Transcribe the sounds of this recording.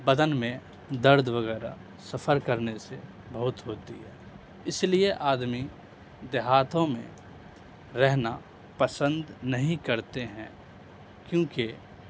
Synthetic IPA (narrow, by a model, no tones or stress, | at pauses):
bəd̪ənmẽ | d̪əɾd̪ʋəɣɛːɾa | səfʰəɾkəɾnese | bəɦʊt̪ɦoːt̪ḭɦɛː | ɪslieʔaːd̪mi | d̪eɦaːt̪ʰõmḛ̃ | ɾɛɦna | pəsə̃nd̪nɐɦĩkəɾt̪eɦɛ̃ | kjõːki